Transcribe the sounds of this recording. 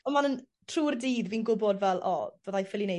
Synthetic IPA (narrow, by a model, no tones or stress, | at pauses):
ɔmanən | tʰruːrdiːdviːnɡʊbɔdvɛlˠʔɔ̰vəðajfɪlˠine